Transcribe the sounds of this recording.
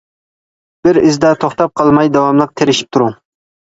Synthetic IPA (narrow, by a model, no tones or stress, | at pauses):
b̥ɪɾɪzd̪at̪ʰoχt̪ɑp̚qʰɑlˠmajd̪awɑmlˠɨq̚t̪ʰeɾɪʃɪ̥p̚t̪ʰʊɾʊŋ